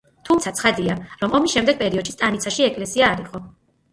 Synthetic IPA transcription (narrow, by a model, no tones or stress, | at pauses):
t̪ʰumt̪sʰat̪sʰχad̪iaɾɔmɔmisʃɛmd̪ɛɡ̚pʼɛɾiɔd̪ʃi̥st̪ʼanit̪sʰaʃiɛkʼlɛsiaːɾiqʼɔ